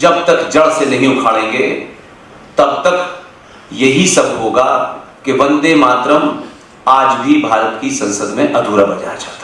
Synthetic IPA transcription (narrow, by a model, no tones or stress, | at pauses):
d͡ʒɐbt̪ɐkd͡ʒɐɭsenɐɦĩʊkʰaːɽẽːŋɡe | t̪ɐbt̪ɐk | jɐɦisɐbʱɦoːɡakebɐ̃nd̪emaːt̪ɾəm | aːd͡ʒbʱibʱaːɾət̪kisɐ̃nsəd̪mẽʔɐd̪ʱuːɾabɐd͡ʒa̰ːjat͡ʃaːt̪ʰa